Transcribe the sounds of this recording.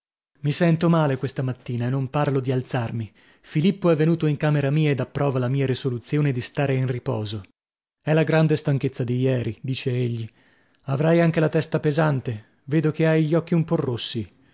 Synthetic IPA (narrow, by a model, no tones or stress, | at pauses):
misɛnt̪omaːlekwest̪amat̪ːiːnaenːomparlod̪ialt̪sarmi | filipːoɛvːenuːt̪oiŋkaːmeɾamiːaed̪apːɾʔɔːvalamiːaɾisolut̪sjoːned̪ist̪aːɾeinripɔ̰ːzo | ɛlaɡɾand̪est̪aŋk̟et̪sːad̪ijɛːɾid̪iːt͡ʃeeʎːi | avɾajaŋk̟elat̪ɛst̪apezant̪e | veːd̪okeajʎːɔk̟ːiumpɔrːosːi